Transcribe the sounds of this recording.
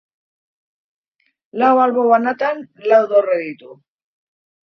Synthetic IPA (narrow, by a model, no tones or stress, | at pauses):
lawalβoβanat̪anlawðoreðit̪u